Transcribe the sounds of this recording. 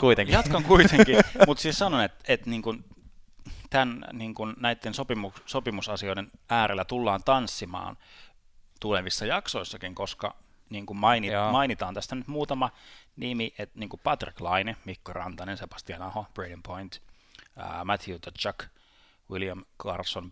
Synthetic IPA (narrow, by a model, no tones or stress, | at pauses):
kuit̪eŋjɑt̪kɑŋkuit̪eŋkimut̪siːssɑnonet̪et̪niːŋkun | t̪ænniːŋkunnæit̪ːensopimukssopimusɑsioidenæːɾʔelːæt̪ulːɑːnt̪ɑnsːimɑ̰ːn | t̪uleʋisːɑjɑkso̞isːɑkiŋkoskɑ̰ | niːŋkummɑinijɑmɑinit̪ɑːnt̪æst̪ænyt̪muːt̪ɑmɑnimiʔet̪niːŋkupɑt̪rḭklɑinemikːorɑ̰nt̪ɑnensebɑ̥st̪iɑnɑhob̥redimpʰoint̪ː | mæt̪ʰjut̪ɑt͡ʃɑk | wiljɑmkɑ̰rson